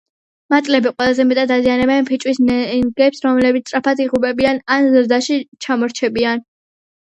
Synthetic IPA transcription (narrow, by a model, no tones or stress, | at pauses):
mat̪sʼlɛbiqʼwɛlˠazɛmɛt̪ʼad̪azianɛbaɛnpʰit͡ʃʼwisnɛɡɛpsɾɔmlɛbit̪st̪ʼɾapʰat̪iʁubɛbiananzɾd̪aʃit͡ʃʰamɔɾt͡ʃʰɛbian